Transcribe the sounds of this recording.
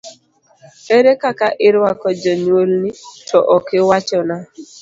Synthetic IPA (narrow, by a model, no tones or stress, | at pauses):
eɾekakaʔɪɾakɔd͡ʒaɲolnit͡ʃɔʔɔkɪwat͡ʃɔna